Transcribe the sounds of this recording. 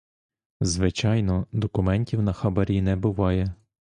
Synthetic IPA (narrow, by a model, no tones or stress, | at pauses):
zʋɪt͡ʃɑjnɔd̪ɔkʊmɛnʲtʲiwnɐxɐbɐɾʲinɛbʊʋɑjɛ